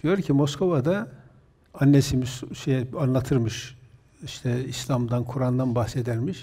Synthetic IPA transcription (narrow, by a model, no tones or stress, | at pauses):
d̪̥ijo̞ɾcʰimo̞skʰo̞vad̪a | anːesimizʃejɛanlˠat̪ʰɯɾmɯʃ | iʃt̪ʰɛislʲˠamd̪ankʰuɾand̪anbahse̞d̪æɾmiʃ